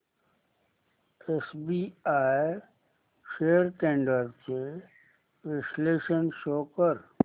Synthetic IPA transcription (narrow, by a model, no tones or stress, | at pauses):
esbiːaːe | ʃeːəɾʈẽːɳɖəɾse | ʋɪʃleːʃənʃoːkəɾ